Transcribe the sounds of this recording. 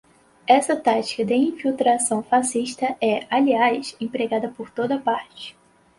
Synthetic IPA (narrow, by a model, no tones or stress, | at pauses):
ɛsɐt̪at͡ʃi̥kɐd̪ɪĩfiwt̪ɾasɐ̃w̃fasiʃt̪ɐɛaliajsẽpɾeɡad̪ɐpoɾt̪od̪ɐpaɾt͡ʃɪ̥